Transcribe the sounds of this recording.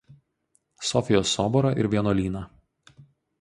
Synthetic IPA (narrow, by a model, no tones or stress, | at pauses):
sɔfʲɪjoːsɔːbɔɾɐʔɪ̰ɾʋʲiɛnoːlʲiːnɐ